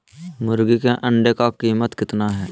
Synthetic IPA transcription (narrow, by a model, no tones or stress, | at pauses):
mʊɾɡikeʔə̃ɳɖekakiːmət̪kɪt̪naɦɛː